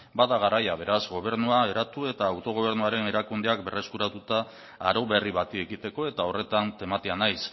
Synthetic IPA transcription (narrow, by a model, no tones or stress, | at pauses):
baðaɣ̞aɾajaβ̞e̞ɾazɡo̞β̞e̞ɾnuae̞ɾat̪ue̞t̪aːwt̪o̞ɣ̞o̞β̞e̞ɾnuaɾe̞ne̞ɾakund̪e̞ak̚be̞re̞skuɾat̪ut̪aː | ɾo̞βe̞riβat̪ie̞kit̪e̞ko̞e̞t̪ao̞re̞t̪ant̪e̞mat̪eanajs